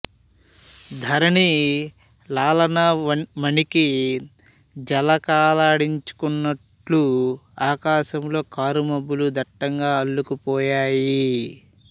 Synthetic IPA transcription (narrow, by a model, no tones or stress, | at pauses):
d̪ʱɐɾɐni | laːlɐnɐmɐniki | d͡ʒɐlɐkaːlaːɽiɲt͡ʃu̥kunːɐʈluaːkaːʃɐmlo̞ːkaːɾumɐbːulud̪ɐʈːɐŋɡaːɐlːukupɔːjaːji